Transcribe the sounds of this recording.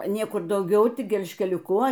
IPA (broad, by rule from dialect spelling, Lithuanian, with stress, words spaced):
ˈnʲiɛkʊr dɐʊˈɡʲɛʊ ˈtʲɪk ɡʲɛlʲʃʲkʲɛlʲʊˈkʊ